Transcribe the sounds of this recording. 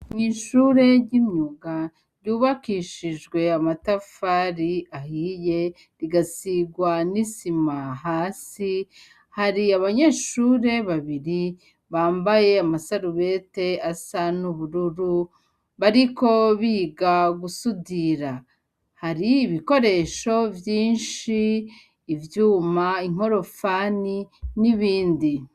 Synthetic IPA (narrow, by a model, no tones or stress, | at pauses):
ɲiʃuɾe̞ɾɟimɲuɡa | ɾɟuːβakiːʃid͡ʒɡwe̞amatafaɾiahije̞ | ɾiɡasiɡwanisimaɦaːsi | haɾiaβaɲe̞ːʃuːɾe̞βaβiɾi | βaːmbaje̞amasaɾuβe̞te̞asanuβuɾuɾu | βaɾiko̞βiːɡaɡusudiɾa | haɾiːβiko̞ɾe̞ʃo̞vjiːnʃiː | vjuːmaiŋ̥o̞ɾo̞faniniβiːndi